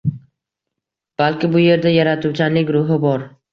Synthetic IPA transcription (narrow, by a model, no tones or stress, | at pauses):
b̥alkʲɪbʊje̞ɾd̪ajaɾat̪ʰuwt͡ʃʰanɪɡʲɾʊɦɪbɒɾ